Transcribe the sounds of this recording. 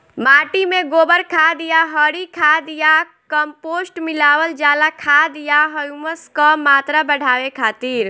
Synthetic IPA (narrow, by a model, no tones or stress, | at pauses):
maːʈimẽɡoːbəɾkʰad̪ijaɦəɽikʰad̪ija | kəmpoːsʈmɪlaːʋəld͡ʒaːlakʰad̪ijaɦəjuməskɔmaːt̪ɾabəɽ̤ʱaːʋekʰaːt̪iːɾ